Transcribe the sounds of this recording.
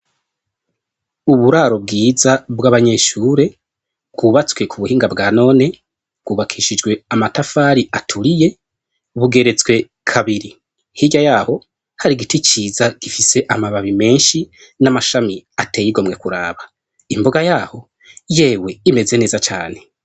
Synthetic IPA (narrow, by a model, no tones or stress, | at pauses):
uβuɾaːɾo̞bɡiːzabɡaβaɲe̞ʃuːɾe̞ | bɡuβat͡swe̞kʰuβuhiːŋɡabɡaːno̞ːne̞ | bɡuːβakʰiːʃid͡ʒɡwe̞amatafaːɾiʔatʰuɾije̞ | βuɡe̞ɾe̞t͡swe̞ | kʰaβiɾi | hiɟajaːho̞ | haɾiɡitit͡ʃiːzaɡ̥ifise̞ʔamaβaβime̞ːnʃi | namaʃamiatejiɡo̞mŋe̞kuɾa̰ːβa | imboɡajaːho̞ | je̞ːwe̞ime̞ze̞ne̞ːzat͡ʃa̰ːne̞